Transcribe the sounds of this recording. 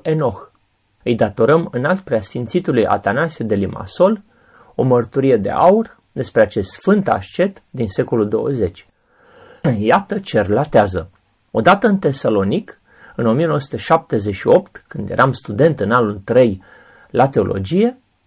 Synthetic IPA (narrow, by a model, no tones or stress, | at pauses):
e̞no̞x | ɨjd̪at̪o̞ɾəmɨnalt̪̚pɾeasfint̪sit̪ulujʔa̰t̪anased̪e̞lima̰so̞l | o̞mərt̪uɾije̞d̪e̞̰ʔa̰ur | d̪e̞spɾeat͡ʃe̞st̪sfɨnt̪a̰ʃt͡ʃe̞t̪d̪inse̞ko̞luld̪o̞wəze̞t͡ʃʲ | jat̪ət͡ʃe̞rlat̪eazə | o̞d̪at̪əɨnt̪e̞salo̞nik | ɨno̞mijenowəsu̥t̪eʃap̚t̪e̞ze̞ʃio̞pt̪kɨnd̪jeɾʔamst̪ud̪e̞nt̪ɨnalult̪ɾej | lat̪e̞o̞̰lʔo̞̰d͡ʒije̞